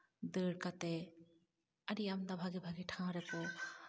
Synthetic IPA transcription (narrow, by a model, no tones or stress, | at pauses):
d̪əːɽkat̪ɛ | ɐɾijamd̪abʱaɡibʱaɡiʈʰãɾɛkɔ